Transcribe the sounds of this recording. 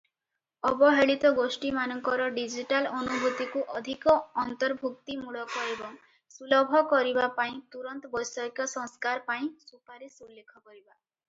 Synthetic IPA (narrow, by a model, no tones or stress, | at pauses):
ɔbɔɦeɭit̪ɔɡosʈimanɔŋkɔɾɔɖid͡ʒiʈalɔnubʱut̪ikuʔɔd̪ʱikɔːnt̪ɔɾbʱuk̚t̪imuɭɔkɔebɔŋ | sulɔbʱɔkɔɾibapaĩt̪uɾɔnt̪ɔbɔjsɔkjɔsɔŋskaɾpaĩsupaɾisulːekʰɔkɔɾiba